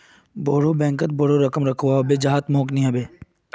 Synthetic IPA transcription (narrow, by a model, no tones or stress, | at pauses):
boːɽobɛ̃ːŋkət̪̚boɽoɾɐkəmɾɐkʰʋaɦbed͡ʒaɦaːt̪mõːknĩɦɐbeː